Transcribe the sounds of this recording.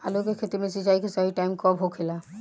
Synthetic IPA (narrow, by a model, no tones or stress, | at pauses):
a̰lokekʰet̪emẽsit͡ʃaːikesaɦiʈaimkɔbʱɦokʰela